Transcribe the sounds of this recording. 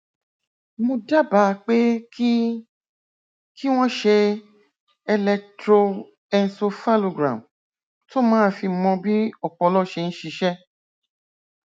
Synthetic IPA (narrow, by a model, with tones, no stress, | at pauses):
mõ˧da˦ba˨˦˧k͡pe˦ | ki˦w̃ɔ̃˦ʃe˧ | ɛ˧lɛ˧tɾo˧ | ɛ̃˧n̩˧˦so˧fa˦lo˨ɡɾã̰˨m | to˦mãː˦fi˧mɔ̃˧bi˦ɔ˦˨k͡pɔ˧˦lɔ˦ʃe˧ñ̩˦ʃi˧˦ʃɛ˦